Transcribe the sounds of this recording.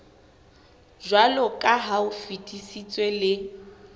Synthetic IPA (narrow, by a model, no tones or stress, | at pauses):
ʒwalɔkʼaɦaufitʼisit͡sʼwɛlɪ